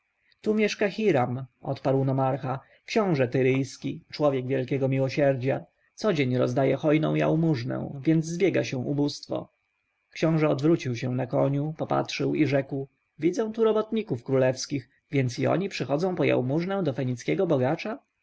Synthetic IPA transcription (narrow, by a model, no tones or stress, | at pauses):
t̪umʲjɛʂkaxʲiɾamʔɔ̰t̪paɾwnɔmaɾxa | kɕɔ̃w̃ʐɛt̪ɘɾɘjskʲit͡ʂwɔvʲjɛɡvʲjɛlkʲɛɡɔmʲiwɔɕɛɾd͡ʑa | t̪sɔd͡ʑeɲɾɔ̰zd̪ajɛxɔjnɔ̰̃w̃ja̰wmuʐnɛ̰̃w̃vʲjɛnd̪zzːbʲjɛɡaɕɛw̃ʔubust̪fɔ̰ | kɕɔ̃w̃ʐɛɔd̪vɾut͡ɕiwɕɛw̃nakɔɲupɔpa̰tʂɘwiʐɛkw | vʲid̪zɛ̃t̪uɾɔbɔt̪ɲikufkɾulɛfskʲix | vʲjɛnt̪siɔ̰ɲipʂɘxɔd̪zɔ̃w̃pɔja̰wmuʐnɛ̃w̃d̪ɔfɛɲit̪skʲɛɡɔbɔɡat͡ʂa